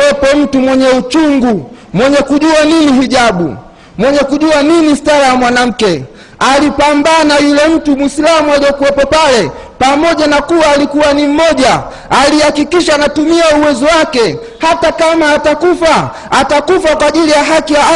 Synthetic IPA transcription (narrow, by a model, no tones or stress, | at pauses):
ɛpɔm̩tumwɛɲɛut͡ʃuŋɡu | mwɛɲɛkuʄuaniniɦiʄaɓṵ | mwɛɲɛkuʄuaninistaɾajamwanam̩kɛ | alipambanajulɛm̩tumislamualijɔkuwɛpɔpalɛ | pamɔʄanakuwaːlikuwanim̩mɔʄa | alihakikiʃaːnatumiauwɛzɔwakɛ | hatakamaːtakufa | atakufakwaːʄilijaɦakija